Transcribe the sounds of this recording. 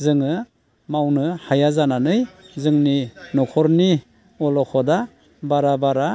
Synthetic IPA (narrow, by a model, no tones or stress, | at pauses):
zɯŋɯ | mawnɯhajazananɯjzɯŋninɔkʰɔɾni | ɔlɔkʰɔda | baɾabaɾa